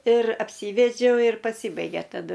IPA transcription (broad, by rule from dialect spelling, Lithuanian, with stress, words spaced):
ɪr ɐpʲˈsʲiːʋʲɛd͡ʒʲɛʊ ɪr pɐˈsʲiːbɐɪɡʲeː tɐˈdʊ